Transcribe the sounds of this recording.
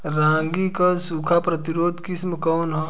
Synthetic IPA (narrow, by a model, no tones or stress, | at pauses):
ɾãːŋɡikɐsukʰapɾɐt̪iɾoːd̪kismkɔːnɦɐ